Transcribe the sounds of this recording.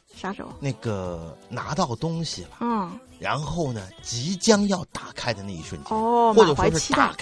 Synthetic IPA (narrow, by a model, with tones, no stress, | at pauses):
ʂa˥ʈ͡ʂo̰˨˩˦ʊna˥˩ɡə˩na̰˧˥t̪ɑ˥˩ʊt̪ʊ˥ŋɕi˨˩bɐ˩˥˩ | ɻa˧˥nxo˥˩ʊnə˩t͡ɕi˧˥t͡ɕjɑ˥ŋjɑ˥˩ʊt̪a˨˩kʰa˥ɪd̪ə˧na˥˩ḭ˥˩ʂwə˥˩nt͡ɕjwɔ˥˩˨ʈ͡ʂɤ˩˨˩ʂwwʂɻ̩˥t̪